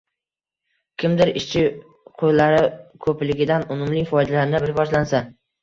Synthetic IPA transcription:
kʲʰɪmd̪ɪɾɪʃt͡ʃʰɪ | qʰojlaɾɪkʰɵplɪɡʲɪd̪anʊmʊmlɪjfɒjd̪alaɾnɪbɪɾbɒʒlansa

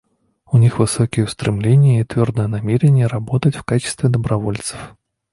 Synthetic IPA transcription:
unʲixvɨsɔkʲijəwst̪ɾɨmlʲenʲːɪjəit̪vʲɔrd̪əjənamʲeɾʲenʲːɪjəɾabɔt̪ət͡sʲwkat͡ʃɪ̥st̪vʲɪd̪ɐbɾavɔlʲt̪sə̥f

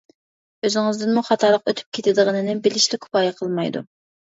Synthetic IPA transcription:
øzɪŋɪzd̪ɪnmuχɑt̪ʰɑlˠəqøt̪ʰy̥p̚kʲʰet̪ʰɪd̪əʁənɨnɪbɪlɪʃlɪkʰʊ̥pɑːjɛqʰəlˠmɑjd̪ṵ

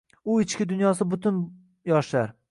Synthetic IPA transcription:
ʊɪt͡ʃkʲɪd̪ʊnjɒs̬ɪbʊt̪ʰʊn | jɒʃlaɾ

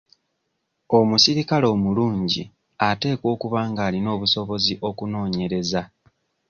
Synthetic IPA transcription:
o̞musiɾikalo̞ːmuluːɲɟḭ | ate̞ːko̞ːkuβaːŋɡaːlino̞ːβuso̞βo̞ziʔo̞kuno̞ːɲe̞ɾe̞za

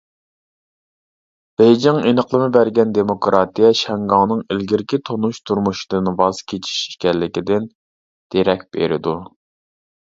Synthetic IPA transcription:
b̥ejd͡ʒɪŋenəqlˠɨmɨbæɾɡʲɛnd̪emokɾʔɑt̪ijɛʃɛŋɡɑŋnɨŋɪlɡʲiɾɪkʲit̪ʰonuʃt̪ʰuɾmuʃi̥d̪ɨnvɑzkʲʰet͡ʃʰi̥ʃi̥kʲɛllɪkʲid̪ɪn | d̪̥eɾɛk̚ʲb̥ḛɾɪ̰d̪u

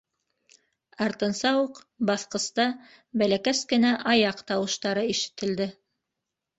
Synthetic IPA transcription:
ɑɾt̪ɤ̆nsɑwuq | bɑθqɤ̆st̪ɑ | bælækæskɘ̆næʔɑjɑqt̪ɑwɤ̆ʃt̪ɑɾɤiʃɘ̥̆t̪ɘ̆ld̪ɘ

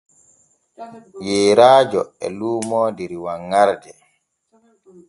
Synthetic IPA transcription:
jeːɾaːd͡ʒɔɛ̰luːmɔdɛɾiwaŋːaɾdɛ

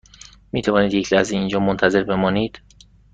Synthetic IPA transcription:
miːt̪ʰævɒːniːd̪jecʰlæzeiːnd͡ʒɒːmont̪ʰæze̞ɾbe̞mɒːniːd̪̥

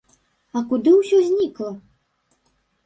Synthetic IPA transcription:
ɐkud̪ɨwsʲɔzʲnʲiklˠɐ

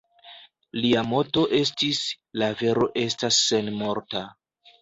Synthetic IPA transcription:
liamo̞to̞ʔe̞s̬tis | lave̞ɾo̞ʔe̞stasːe̞nmo̞ɾta

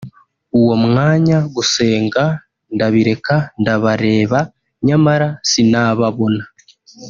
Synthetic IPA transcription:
uwo̞mŋaːɲaɡuse̞ːŋɡa | ndaβiɾe̞kandaβaɾe̞ːβa | ɲamaɾasinaβaβo̞na

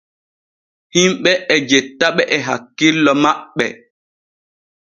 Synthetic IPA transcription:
himɓɛʔɛd͡ʒetːaɓɛʔɛɦakːilːɔmaɓːɛ̰

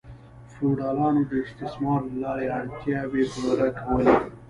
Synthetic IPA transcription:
fuɖɑːlɑːnod̪əɪst̪ɪsmɑːɾlɑːɾeɐɳt̪jɑːbeblɾakʰɐwəli

